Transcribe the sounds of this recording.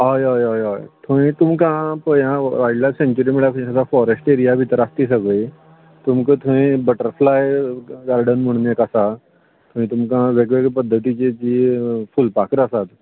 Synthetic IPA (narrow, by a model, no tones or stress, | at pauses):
ɦajajajajt̪ʰõĩt̪umkãpəjãʋaiɖlasẽɲt͡ɕuɾimiɭakʰəsafɔɾesʈeɾijabʱit̪əɾast̪isəɡəj | t̪umkət̪ʰoĩːbəʈəɾflajɡaɾɖənməɽ̃njekəsa | t̪ʰõʋĩt̪umkãʋeɡʋeɡpəd̪ʱːət̪it͡ɕet͡ɕiːfulpakɾəsat̪